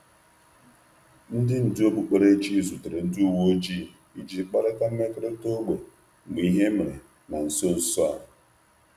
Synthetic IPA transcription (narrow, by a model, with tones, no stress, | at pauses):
n̩˦dɪ˦n̩˨dɪ˦o˦bu˨k͡pe˨ɾe˦t͡ʃi˦˨zu˨te˨ɾe˨n̩˦dɪ˦u˦˨wo˦d͡ʒi˦˨ | i˦d͡ʒi˨˦k͡pa˦ɾa˦ka˦m̩˦me˦kɾe˦to˦ɡ͡be˨ | ɡ͡bi˨i˦ɦe˦me˨ɾe˨ | ma˨n̩˨so˦n̩˨sɔ˦a̰˨ɾ